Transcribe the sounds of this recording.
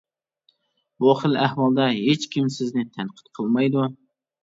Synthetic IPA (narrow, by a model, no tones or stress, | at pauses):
buχəlæhwɑlˠd̪ɑɦet͡ʃkʲimsɪznɪt̪ʰænqʰə̥t̪qʰəlˠmɑjd̪u